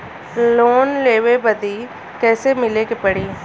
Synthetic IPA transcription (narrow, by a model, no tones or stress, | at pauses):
loːnleːʋebəd̪iː | kɛːsemɪlekepəɽiː